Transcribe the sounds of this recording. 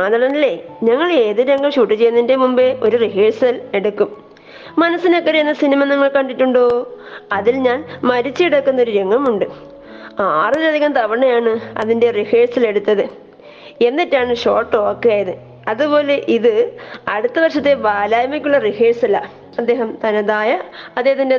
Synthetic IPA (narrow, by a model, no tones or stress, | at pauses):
aːt̪ɐɳɐnɐlːe̞ɲɐŋːɐɭe̞ːðɨɾeŋɡɐmɕuːʈːit͡ɕejːɐnːinde̞mumbeo̞ɾuriɦeːsɐle̞ɽukːumː | ɐnɐsːinokːɐɾejenːɐsinimɐniŋːɐɭkɐɳɖitːuɳɖoːɐðilɲaːnmɐɾit͡ɕːɨiɽɐkːunːɐo̞ɾuɾeŋɡɐmuɳɖɨ | aːrɾɐd̪eɐɐmt̪ɐʋɐɳːɐjaːɳɨɐ̰ðinde̞riheːsɐle̞ɽut̪ːɐðɨ | e̞nːitːaːɳɨɕo̞ːʈːo̞ːkːejaːjɐðɨ | ɐðupo̞ːle̞ʔiðɨɐɽut̪ːɐʋɐrʂɐt̪ːe̞ʋaːlaːjɐmɐkʲːuɭːɐriheːsɐla̰ | ɐd̪ːeːɦɐmt̪ɐnɐd̪aːjɐɐd̪ːeɦɐt̪ːinde